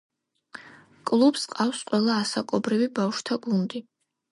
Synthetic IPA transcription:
kʼlˠubsqʼawsqʼwɛlˠaːsakʼɔbɾivibawʃt̪ʰaɡund̪i

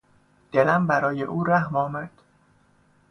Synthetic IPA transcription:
d̪̥elæmbæɾɒːjḛʔuːɾæhmɒːmæd̪̥

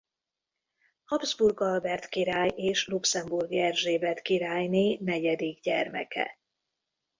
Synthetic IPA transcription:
hɒbzburɡɒlbɛrt̪kiɾaːjʔeːʃluksɛmburɡɛrʒeːbɛt̪kiɾaːjneːnɛɟɛd̪iɡɟɛrmɛ̰kɛ̰

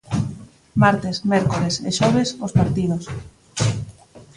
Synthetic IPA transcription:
maɾt̪esmɛɾkoɾesḛʃɔβ̞esospaɾt̪ið̞os

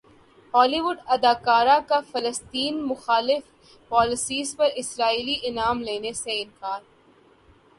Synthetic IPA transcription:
hɔːliːʋʊɖɐd̪aːkaːɾakafɐləst̪iːnmʊxaːlɪf | pɔːlɪsiːzpɐɾɪsɾaːiːliʔɪnaːmleːneseɪnkaːɾ

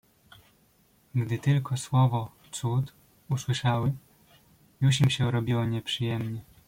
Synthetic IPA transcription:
ɡd̪ɘt̪ɘlkɔswɔvɔ | t̪sut̪ | uswɘʂawɘ | juɕimɕɛuɾɔbʲiwɔɲɛpʂɘjɛmɲɛ

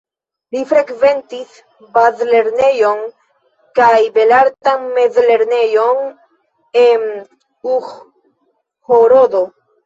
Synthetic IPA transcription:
lifɾekve̞nt̪is | bazle̞ɾne̞jo̞n | kajbe̞laɾt̪anmezle̞ɾne̞jon | en | ux | hoɾod̪o

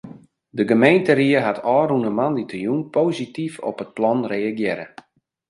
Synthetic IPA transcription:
dəɡəmejntəɾiəɦatʰɔːrunəmanditəjunpoːzitifɔ̰pət̚plɔnreːaɡjɪɾə

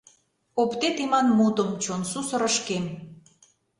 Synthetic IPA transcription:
opt̪et̪imɑnmut̪əmt͡ɕonsusə̆ɾə̆ʃkem

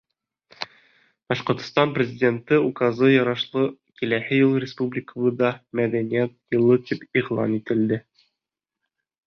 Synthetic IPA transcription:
b̥ɒʃqŏɾt̪ŏst̪ɑnprʲɪzʲɪdʲe̞nt̪ɤukɑzɤjɒɾɑʃlˠɤkilæhɘjɤlˠɾʲɪspublʲɪkəβˠɤd̪ɑmæd̪ænʲijæt̪̚jɤ̆lˠɤt̪ipiʁlˠɑ̰nit̪ɘ̆ld̪ɘ

